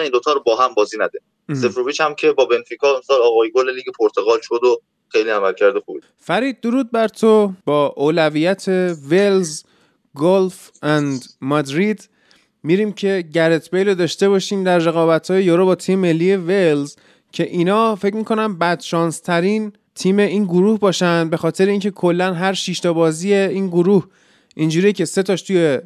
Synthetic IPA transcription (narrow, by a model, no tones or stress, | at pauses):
nind̪ot̪ʰɒːɾobɒːɦæmbɒːziːnæd̪e | sefɾovit͡ʃhæmcʰe̞bɒːbenfikʰɒːemsɒːlɒːɣɒːjeɡoleliːɡepʰoɾt̪ʰoɣɒːlʃod̪o | xe̞jliæmælcʰæɾd̪oxube | fæɾiːd̪̚ːoɾuːd̪̚bæɾt̪ʰobɒːʔoːlæviːjæt̪ʰe̞ve̞lz | ɡolf | ʔænd̪mɒd̪ɾid̪ | miɾiːmcʰe̞ɟæɾet̪ʰbejlod̪ɒːʃt̪e̞βɒːʃiːmd̪æɾːe̞ɣɒːbæt̪ʰhɒːjejoɾobɒːt̪ʰiːmeme̞lːije̞velz | cʰe̞ʔiːnɒːfe̞cmiːkʰo̞næmbæd̪̥ʃɒːnst̪ʰæɾiːn | t̪ʰiːme̞ʔiːnɡoɾuːhbɒːʃænd̪̚be̞xɒːt̪ʰe̞ɾeiːncʰe̞kʰo̞lːænɦæɾʃiːʃt̪ʰɒːbɒːzije̞iːnɡoɾuːh | ʔind͡ʒuːɾijcʰe̞se̞t̪ʰɒʃt̪uje̞